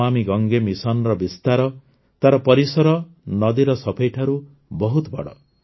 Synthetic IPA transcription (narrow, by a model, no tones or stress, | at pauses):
amiɡɔŋɡemisɔnɾɔbist̪aɾɔ | t̪aɾɔpɔɾisɔɾɔ | nɔd̪iɾɔsɔpʰejʈʰaɾu | bɔɦut̪bɔ̰ɽɔ̰